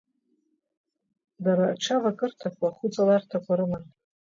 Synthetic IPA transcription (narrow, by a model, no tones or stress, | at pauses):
daɾaʈ͡ʂʰavakʼɨrtʰakʷaχʊt͡sʼalartʰakʷʰaɾɨman